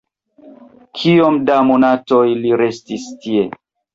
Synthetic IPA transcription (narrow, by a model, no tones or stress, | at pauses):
kʰiomdamonatojliɾe̞stistie̞